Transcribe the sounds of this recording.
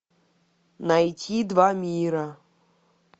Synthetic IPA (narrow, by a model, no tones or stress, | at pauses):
najtʲʰid̪vamʲiɾɐ